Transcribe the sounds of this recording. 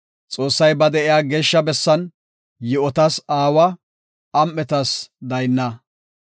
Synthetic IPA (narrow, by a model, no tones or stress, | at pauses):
t͡sʼo̞ːsːɐjbɐd̪ɛʔɪjaːɡe̞ːʃːɐbɛsːɐn | jɪɔt̪ɐsaːwɐː | mʔɛt̪ɐsd̪ɐjnːɐ